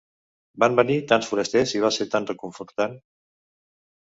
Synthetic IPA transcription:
bambənit̪ansfuɾəst̪eziβ̞aseɾt̪anrəkuɱfuɾt̪an

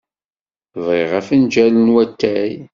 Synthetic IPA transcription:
veʁæfənd͡ʒælənwæt̪ːæj

